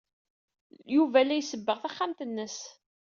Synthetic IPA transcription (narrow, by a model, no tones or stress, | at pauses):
juvælːæjsəbːəʁθæχːamt̪ənːəs